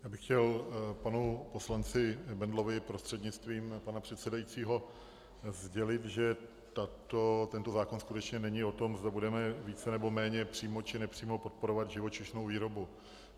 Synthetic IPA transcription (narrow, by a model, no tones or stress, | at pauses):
jaːbɪxcɛlpanupo̞slant͡sɪbɛndlo̞vɪpɾost̪r̥ɛd̪ɲɪt͡st̪viːmpanapr̝̥ɛt̪sɛdajit͡siːɦo̞ | zɟɛlɪt̪ʒɛ | t̪at̪ot̪ɛnt̪o̞zaːkonskut̪ɛt͡ʃɲɛnɛɲɪo̞t̪o̞mzd̪abudɛmɛviːt͡sɛnɛbo̞mɛːɲɛpr̝̥iːmo̞t͡ʃɪnɛpr̝̥iːmo̞po̞t̪̚po̞ɾovad̪ʒɪvot͡ʃɪʃno̞wviːɾo̞bu